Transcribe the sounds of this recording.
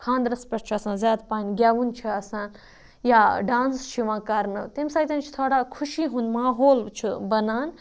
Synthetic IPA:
kʰãːnd̪ɾɐspɐɾt͡ʃʰiɐsãːnzʲjaːd̪paːnʲɡʲjaːʋunt͡ʃʰiɐsãːn | jaːɖãːnst͡ʃʰiʋãːkɐɾnɨt̪emsaːɡt̪ɐnt͡ʃʰi̥t̪ʰoːɽaːkʰuʃiːɦũːnd̪maːɦoːlt͡ʃʰibɐnaːn

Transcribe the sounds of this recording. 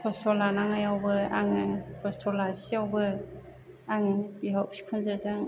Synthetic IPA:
pʰɔstʰɔlanaŋajawbɯa̰ŋɯkʰɔstʰɔlasiawbɯ | aŋbiɦawsʰi̥kʰunzɯzɯŋ

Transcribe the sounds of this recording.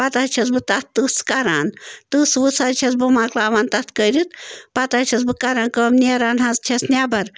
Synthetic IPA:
pat̪at͡ʃʰɐs̬bɨt̪ɐt̪̚t̪ɨskaɾa̰ːnt̪ɨsʋɨsat͡ʃʰɐsbɨmaːklaːʋaːnt̪ɐt̪ʰkəɾit̪̚pɐt̪at͡ʃʰɐs̬bɨkaɾaːnkəːmnʲeɾaːnɦazt͡ʃʰɐsnʲaːbɐɾ

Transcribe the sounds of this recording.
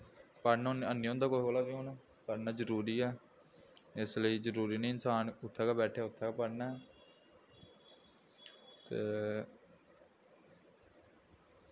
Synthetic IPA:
pəɽnːnənːiːõːnd̪aːkoːɦoːlaːbiːõːnː | pəɽnaːd͡ʒəɾuːɾiːɛː | ɪsləiːzəɾuːɾiːnẽːɪnsaːnʊt̪ʰːɛːkaːbɛːʈʰeːʊt̪ʰːɛːkaːpəɽnaːɛː | t̪eː

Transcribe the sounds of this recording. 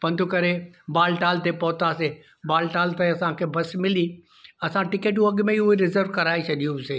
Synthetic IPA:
pɐ̃nd̪ʰʱukɐɾebaːlʈaːlt̪epɐɦʊt̪ase | baːlʈaːlt̪ɐɐsãkʰebɐsmɪli | ɐsãʈɪkeːʈ̬jũɐɠmẽɦʊɦeɾɪzəɾʋkɐɾaːet͡ɕʰɐɗijũseː

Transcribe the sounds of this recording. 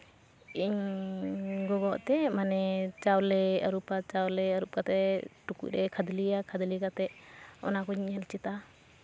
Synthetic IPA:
iɲ | ɡɔɡɔʔt̪ɛmanɛt͡ʃawlɛəɾupat͡ʃawlɛəɾup̚kat̪ɛʈukṵc̚ˀɾɛkʰəd̪liakʰəd̪likat̪ɛʔɔ̰nakɔɲiɲəlt͡ʃit̪a

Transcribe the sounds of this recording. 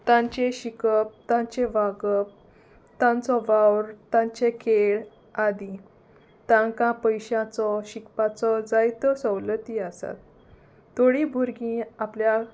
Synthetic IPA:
t̪ãɲt͡ɕeɕikəp̚t̪ãɲt͡ɕeʋaɡəp̚ | t̪ãnt͡sɔʋawɾt̪ãɲt͡ɕekʰeɭ | ad̪i | t̪ãŋkãpəjɕãt͡sɔɕikpat͡sɔd͡zajt̪ɔsəwlət̪iasa̰t̪ː | oɽibʱuɾɡĩaplja

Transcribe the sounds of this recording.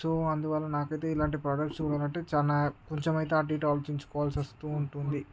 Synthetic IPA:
soːɐnd̪uʋɐlːɐnaːkɐjt̪e̞ːilaːɳʈipɾaːɖɐk̚ʈsuːɽaːlɐɳʈːet͡ʃaːnakoɲt͡ʃemɐjt̪eaːʈ̬iːʈaːlt͡ʃiɲt͡ʃu̥kɔʋaːlsɐst̪uːɳʈund̪i

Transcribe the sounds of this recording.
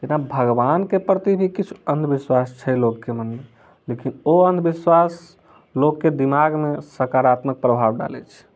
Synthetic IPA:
t̪enabʱəɡbankepɾət̪ibʱikit͡ʃʰu̥ənd̪ʱbiswast͡ʃʰɛlokːemənme | lekinoənd̪ʱbiswas | lokːed̪imaɡmesəkaɾat̪mək̚pɾəbʱabɖa̰lɛ̰t͡ʃʰ

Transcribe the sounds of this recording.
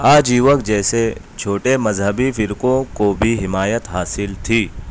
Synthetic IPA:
aːd͡ʒiːʋəkd͡ʒɛːse | t͡ʃʰoːʈemɐzɦəbifɪɾkõkobʱiɦɪmaːjət̪ɦaːsɪlt̪ʰiː

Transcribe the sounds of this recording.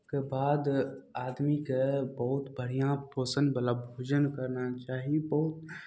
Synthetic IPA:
kebaːd̪aːd̪mikebɐɦʊt̪bəɽ̤ijãpoːsə̃nd̪bəlabʱoːd͡ʒənkəɾnat͡ʃaːɦiebɐɦʊt̪

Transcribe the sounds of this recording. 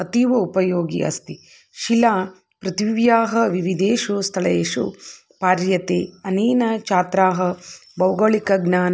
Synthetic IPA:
ɐt̪iʋɐupɐjoːɡḭʔɐ̰st̪i | ʃilaː | pɾɐt̪ʋjaːɦɐʋiʋid̪eːʃust̪ʰɐɭɐeːʂṵ | paːɾjɐt̪eːɐneːnɐt͡ʃaːt̪ɾaːɦɐbɐwɡɐɭikɐɡnaːn

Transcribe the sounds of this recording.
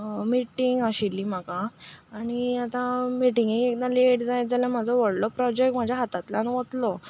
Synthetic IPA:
miʈiŋɡaɕilːiːm̤akaaɽ̃iat̪ãmiʈiŋɡikekd̪aleʈd͡zajt̪̚d͡zaljam̤ad͡zʱɔʋəɽlɔpɾɔd͡ʑek̚ʈm̤ad͡ʑʱjaɦat̪at̪laniʋət̪lɔ

